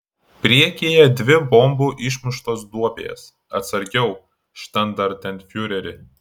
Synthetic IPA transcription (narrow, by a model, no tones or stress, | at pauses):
pʲɾʲiɛkʲeːjɛd̪ʲʋʲɪbɔmbuːʔɪʃmʲʊʃt̪oːsd̪uɔpʲḛːjɛ̰s | ɐt̪sɐɾʲɡʲɛʊ | ʃt̪ʲɐnd̪ɐɾt̪ʲɛnʲt̪ʲfʲjʊɾʲɛɾʲɪ